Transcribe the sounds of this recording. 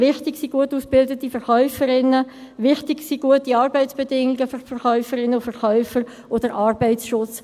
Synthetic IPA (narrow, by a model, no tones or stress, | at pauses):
ʋɪχtɪksiɡ̥uətuːsb̥ɪldətifɛɾχœʏfəɾɪnːəʋɪχtɪɡsiɡuətiɑːɾbɛɪtsb̥ɛdɪŋɪɡəffɛɾχœʏfəɾɪnəfəɾχœʏfəɾ | ʔod̥əɾʔɑːrbɛɪsʃʊt͡s